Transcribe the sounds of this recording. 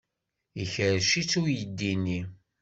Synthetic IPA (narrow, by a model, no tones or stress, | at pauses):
içəɾʃit͡sːujəd̪ːinːi